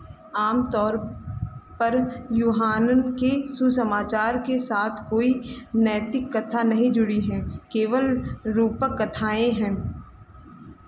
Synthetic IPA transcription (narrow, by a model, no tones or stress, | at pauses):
aːmt̪ɔːɾ | pɐɾjuːɦaːnənkesusəmaːt͡ʃaːɾkesaːt̪ʰkoːinɛːt̪ɪkːɐt̪ʰanɐɦĩd͡ʒʊɽiɦɛ̃ːkeːʋəlɾuːpəkːɐt̪ʰaːẽɦɛ̃ː